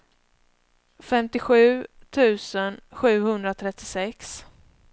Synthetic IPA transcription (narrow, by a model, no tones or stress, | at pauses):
fɛmt̪ɪɧʉ̟ːt̪ʰʉ̟ːsənɧʉ̟ːhɵnd̪ɾat̪ʰɾɛt̪ːɪsɛks